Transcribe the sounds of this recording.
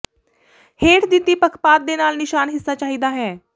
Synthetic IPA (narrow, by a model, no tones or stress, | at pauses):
heːʈd̪ɪt̪ːiːpəkʰpaːt̪̚d̪eːnaːlnɪʃaːnɦɪsːaːt͡ʃaːɦiːd̪aːɦɛː